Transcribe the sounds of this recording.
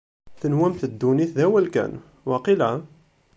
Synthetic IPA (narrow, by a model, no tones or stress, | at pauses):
θənwæmθəd̪ːuniθðæwælkæ̰n | waqilæ